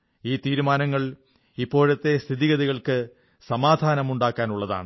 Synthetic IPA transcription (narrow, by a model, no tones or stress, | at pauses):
iːt̪iːɾumaːnɐŋːɐɭ | ipːo̞ːɻɐt̪ːe̞st̪ʰiðiɣɐðiɣɐɭkɨ | sɐmaːd̪ʱaːnɐmuɳɖaːkːaːnuɭːɐða̰ːɳɨ